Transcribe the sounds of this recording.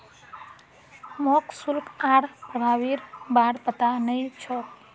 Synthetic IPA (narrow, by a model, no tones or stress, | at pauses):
mɔksulkaɾpəɾawiɾbaɾpət̪anəjt͡ʃʰɔk